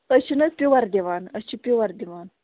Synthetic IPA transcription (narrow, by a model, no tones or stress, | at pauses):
ət͡ʃʰinɐspʲiwɐɾd̪ʲiʋaːnət͡ʃʰipʲiʋɐɾd̪ʲiʋaːn